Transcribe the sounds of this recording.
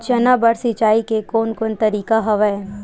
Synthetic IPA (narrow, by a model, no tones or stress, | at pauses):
t͡ʃɐnabɐɽsɪt͡ʃaːikekoːnkʊnt̪ɐɾiːkaɦɐʋɛe